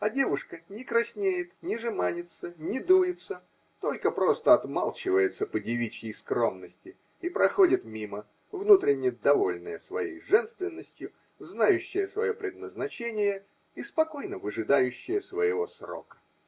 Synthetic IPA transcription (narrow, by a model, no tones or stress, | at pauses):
ɐdʲe̞vʊʂkənʲɪkɾɐsʲnʲejɪt̪nʲɪʐɨmanʲɪt̪sənʲɪd̪ujɪt̪sə | t̪o̞lʲkəpɾo̞st̪əɐt̪malˠt͡ɕɪvəjɪt̪səpədʲɪvʲit͡ɕjɪjskɾo̞mnəsʲtʲɪ | ipɾɐxodʲɪt̪mʲimə | vnut̪ɾʲɪnʲːɪjəd̪ɐvo̞lʲnəjəsvɐjḛjʐɛnst̪vʲɪnːəsʲtʲjʊ | znajʉɕːɪjəsvɐjo̞pɾʲɪd̪̚nəznɐt͡ɕenʲɪjə | ispɐko̞jnəvɨʐɨd̪ajʉɕːɪjəsvəjɪvo̞sro̞̰kə̥